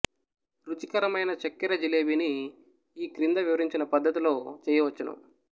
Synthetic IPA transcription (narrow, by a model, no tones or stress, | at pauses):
ɾud͡ʒikɐɾɐmɐjnɐt͡ʃɐkːiɾɐd͡ʒileːʋiniː | kɾind̪ɐʋiʋɐɾiɲt͡ʃinɐpɐd̪ːɐt̪ilo̞ːt͡ʃɛːjɐʋɐt͡ʃːɐnɐ̰m